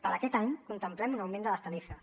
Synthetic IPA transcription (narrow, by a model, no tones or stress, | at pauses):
pəɾəkɛt̪aɲkunt̪əmplɛmunawmẽnd̪ələst̪ənifəs